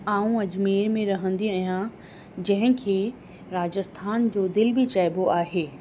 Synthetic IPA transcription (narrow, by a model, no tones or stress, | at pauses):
aːũɐd͡ʑmeːɾmẽɾɐɦə̃nd̪iaɦijã | d͡ʑɐ̃ɦɪ̃kʰeː | ɾaːd͡ʑəst̪ʰaːnd͡ʑoːd̪ɪlbʱit͡ɕaːɪboʔaːɦeː